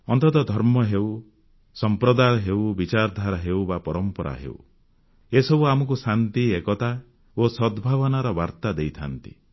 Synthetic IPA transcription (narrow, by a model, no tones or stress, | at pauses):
ɔnt̪ɔt̪ɔd̪ʱɔɾmɔɦew | sɔmpɾɔd̪aɦewbit͡ʃaɾd̪ʱaɾɔɦewbapɔɾɔmpɔɾʔa̰ɦḛṵ | esɔbuamɔkusant̪iekɔt̪a | osɔd̪bʱaβɔnaɾɔbaɾt̪ad̪ejt̪ʰa̰nt̪ḭ